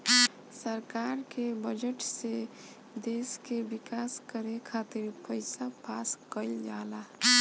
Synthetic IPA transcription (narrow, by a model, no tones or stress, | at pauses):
səɾkaɾkebəd͡ʒəʈse | d̪eskebikaskəɾekʰat̪iɾpəɪsapʰaskəld͡ʒala